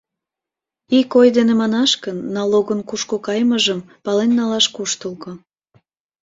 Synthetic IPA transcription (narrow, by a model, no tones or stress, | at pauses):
ikojd̪enemɑnɑʃkənːɑloɣənkuʃkokɑjməʒəm | pɑlenːɑlɑʃkuʃt̪əlko